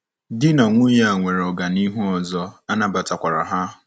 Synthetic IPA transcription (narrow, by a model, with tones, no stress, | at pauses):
dɪ˦na˨ŋʷʊ˦ja˦a˨ŋʷe˨ɾɔ˨ɡa˨ni˦ɦu˦ɔ˨zɔ˦a˦na˨ba˨ta˨kʷa˨ɾa̰˨ɦa˦